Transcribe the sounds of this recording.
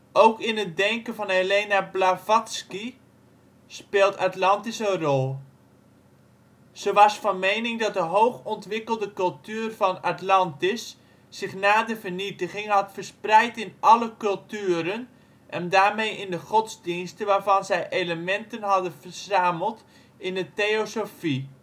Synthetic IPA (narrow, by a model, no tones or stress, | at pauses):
owkɪnət̚dɛŋkənvɑneleːnablavɔtski | speːlˠtatlɑntɪsənrɔlˠ | z̥əʋɑsfɑnmejnɪŋdɑt̚dəɦowχɔntʋɪkəlˠdəkɵlˠtyːrvɑnatlɑntɪsː | ɪχnaːdəvərnitəχɪŋɦɑtfərsprɛjtɪnʔɑləkɵlˠtyːɾən | ʔɛndaːɹmejʔɪndəχɔtzdinstəʋaːɹvɑnzɛjʔeləmɛntənɦɑdənvərz̥aːməlˠt | ɪndətejosofi